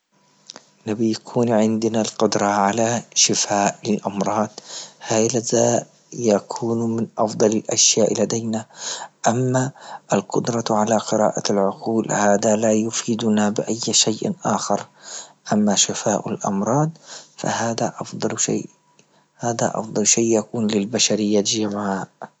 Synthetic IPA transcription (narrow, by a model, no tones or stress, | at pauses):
nabɪjakʰuːnʕɪnd̪nalqʊd̪ɾˤɑʕalaʃɪfaːʔɪlʔɑmɾˤɑːd̪haːjlazaʔ | jakʰuːnmɪnʔɑfd̪ˤɑlalʔaʃjaːʔlad̪ajnaʔamːaʔalqʊd̪ɾˤɑʕalaqɨɾa̰ːʔalʕʊquːlhaːd̪alajʊfiːd̪ʊnabɪʔajːʃajʔʔaːxɑɾˤʔamːaʃɪfaːʔalʔɑ̰mɾˤɑːd̪̚ˤfa̰haːd̪aʔɑfd̪ˤɑlʃa̰ːʔ | haːd̪a̰ʔɑ̰fd̪ˤɑlʃaːʔjakuːnlɪlbaʃaɾɪjːad͡ʒamʕaːʔ